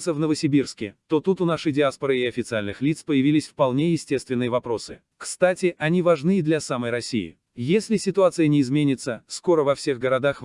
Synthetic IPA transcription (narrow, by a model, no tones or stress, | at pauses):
səvnəvəsʲɪbʲirskʲɪ̰t̪o̞t̪ut̪ʊnaʂɨjdʲɪaspəɾɨɪɐfʲɪt̪sɨalʲnɨxlʲit̪spəjɪvʲilʲɪsʲfpɐlˠnʲejɪsʲtʲe̞st̪vʲɪnːɨjəvɐpɾo̞sɨ | kst̪atʲɪʔɐnʲivɐʐnɨɪd̪lʲɐsaməjɾɐsʲḭɪ̰ | jesʲlʲɪsʲɪt̪ʊat̪sɨjənʲɪːzmʲenʲɪt̪səsko̞ɾəvɐfsʲe̞ɣɡəɾɐd̪ax